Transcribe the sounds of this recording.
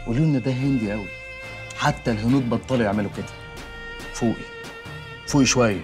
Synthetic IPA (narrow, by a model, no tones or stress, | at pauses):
ʔuluʔnæd̪æɦend̪iʔæwi | ħat̪ːælɦʊnuːd̪̚bɑt̪ˤːɑleʔeʕmæluked̪æ̥ | fuːʔi | fuːʔiʃwæjːæ